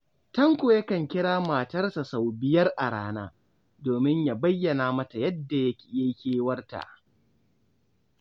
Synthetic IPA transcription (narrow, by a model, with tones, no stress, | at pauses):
tɐ˦ŋkʷoː˨jɐ˦kɐ˨ŋkʲɪ˦ɽaː˦maː˨tɐ˦rsa˨sa˨wbɪ˦jɐ˦rʔa˨ɽaː˦naː˦ | doː˨mɪ˦ɲja˨bɐ˦jːɐ˨naː˨mɐ˦ta˨jɐ˦dːa˨jɐ˦kʲi̥˨ja˦kʲeː˦wɐ˦rta̰˨ʔ